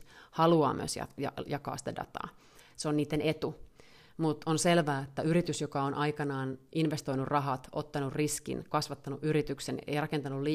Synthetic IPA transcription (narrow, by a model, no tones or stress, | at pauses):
hɑluɑ̰ːmːy̰ø̰sjɑ̰jɑ̰jɑkɑ̰ːsĭ̥t̪ædɑ̰t̪ɑ̰ː | seoniːt̪ːenet̪u | mut̪onselʋæːet̪ːæyɾit̪ysjokɑonʔɑikɑnɑːnʔinʋest̪oinurrɑɦɑt̪ʔot̪ːɑnurriskḭnkɑsʋɑt̪ːɑnuʔyɾit̪yksenḛirɑkent̪ɑnulli